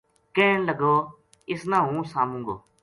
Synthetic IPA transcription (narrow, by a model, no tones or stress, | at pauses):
kẽːnləɡʱoː | ɪsnãːɦũːsaːmũːŋɡoː